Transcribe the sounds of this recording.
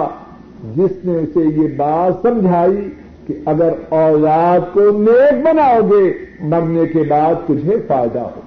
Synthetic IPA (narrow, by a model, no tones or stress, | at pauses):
d͡ʒɪsneʊsejebaːt̪sɐ̃md͡ʒʱaːi | kiɐɡəɾɔːlaːt̪koneːk̚bɐnaːoɡemɐɾnekebaːd̪̚t̪ʊd͡ʒʱefaːɪd̪a̰ɦo̰ː